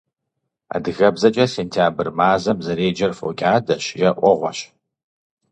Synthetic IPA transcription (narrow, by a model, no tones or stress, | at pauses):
a̰ːdɨɣɐbzɐt͡ʃʼɐseːntʰaːbɨrmaːzɐmzɐɾeːd͡ʒɐrfo̰ːkʲʼaːdɐɕjɛʔʷɔʁʷɔɕ